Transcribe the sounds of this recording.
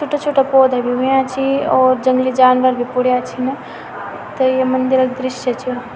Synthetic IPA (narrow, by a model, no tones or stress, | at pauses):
t͡ʃʰʊʈːat͡ʃʰuʈapoːd̪ʱabʱiɦujat͡ʃʰiɔːɾd͡ʒə̃ŋɡlid͡ʒaːnʋəɾbʱipʊɽjat͡ʃʰinɐ | t̪ɐjemɐnd̪ɪɾək̚d̪ɾɪʃjət͡ʃʰio